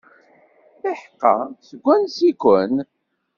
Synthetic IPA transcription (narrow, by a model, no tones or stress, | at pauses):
iħqːɑ̰səɡʷːænsikʷən